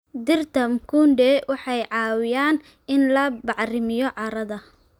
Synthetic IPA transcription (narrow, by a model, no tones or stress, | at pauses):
d̪ɪrt̪ʰɐmkʰundɛwʔɑħɑjʕɑːwɪjaːn | ɪnlɐbɑʕrɪmɪjɔʕɑɾɐðɐ